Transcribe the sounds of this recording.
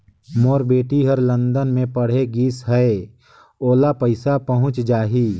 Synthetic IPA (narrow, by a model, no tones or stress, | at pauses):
moːɾbeːʈiɦəɾlə̃nd̪ənmẽpəɽ̤eɡiːsɦəe | oːlapəɪsapəɦʊ̃t͡ʃd͡ʒaːɦiː